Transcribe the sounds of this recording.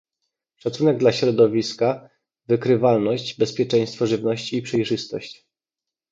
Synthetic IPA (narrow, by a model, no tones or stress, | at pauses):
ʂat̪sunɛɡ̚d̪laɕɾɔd̪ɔvʲiska | vɘkɾɘvalnɔɕt͡ɕbɛspʲjɛt͡ʂɛj̃st̪fɔʐɘvnɔɕt͡ɕiːpʂɛjʐɘst̪ɔɕt͡ɕ